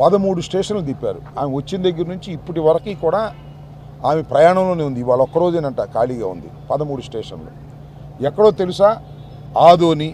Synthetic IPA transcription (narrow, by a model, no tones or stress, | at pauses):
pɐd̪ɐmuːɽusʈeːʂɐnlut̪ipːa̰ːɾuaːmeʋɐt͡ʃːinɐd̪ɐɡːɐɾnuɲt͡ʃiːpːuʈiʋɐɾɐkiːkuːɽaː | aːmepɾɐjaːɳɐmlo̞ːneund̪iːʋaːɭɐɔkːɐɾoːd͡ʒenɐɳʈaːkaːliːɡa̰ːṵnd̪ḭpɐd̪ɐmuːɽusʈeːʂɐ̰nlo̰ː | ɛkːɐɽo̞ːt̪e̞lusaː | aːd̪oːni